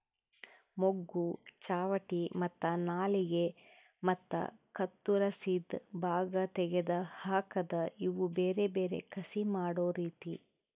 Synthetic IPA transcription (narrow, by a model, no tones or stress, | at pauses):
moɡːut͡ʃaːʋɐʈimɐt̪ːɐnaːliɡe | mɐt̪ːɐ̰kɐt̪ːuɾɐsid̪bʱaːɡɐt̪ɛɡed̪ɐhaːkɐd̪ɐiʋubeːɾebeːɾe̞̰kʰɐsimaːɽoːɾiːt̪i